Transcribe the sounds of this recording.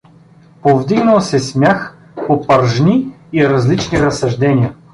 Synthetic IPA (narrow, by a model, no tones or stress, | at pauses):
povd̪iɡnəlˠsɛsmʲjax | popɐɾʒni | iɾɐzlit͡ʃniɾɐsɐʒd̪ɛnʲiə